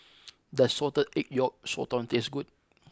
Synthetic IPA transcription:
dəsɔtədɛk̚jɔk̚sɔ̰tɔ̃ntesɡut̚

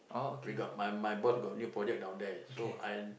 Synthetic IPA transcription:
ʔɔwiɡɔt̚majmajbɔtɡɔt̚njupɹɔd͡ʒɛk̚dãw̃ndɛsoʔãj

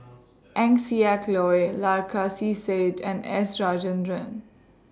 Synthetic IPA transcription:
ʔɛ̃ŋsiɛklɔjlaɾkʰasiːseːdɛ̃nɛ̰sɾaːd͡ʒə̃nɾə̃n

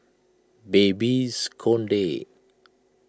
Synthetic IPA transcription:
bebiskʰonɖe

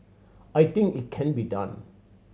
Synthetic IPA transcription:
ajt̪ĩŋkit̚kʰɛ̃nbidʌ̰̃n

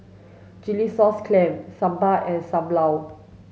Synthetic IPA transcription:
d͡ʒilisɔskʰlɛ̃msãmbaʔɛ̃nsãmlaw

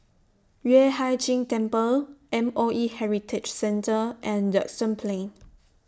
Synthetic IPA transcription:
wɛhajd͡ʒĩŋtɛ̃mpəlʔɛ̃moʔihɛɹitʰɪt͡ʃsɛ̃ntəʔɛ̃ndə̰kstə̃npʰlẽn

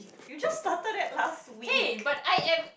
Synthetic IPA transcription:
jud͡ʒʌstatədɛt̚last̚wib̥ataɪɛ̃m

